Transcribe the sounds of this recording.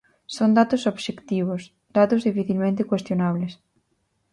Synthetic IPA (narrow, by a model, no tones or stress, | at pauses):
sond̪at̪ʊsoβʃekt̪iβ̞os | d̪at̪ʊzðifiθilmẽnt̪ɪkwest̪jonaβles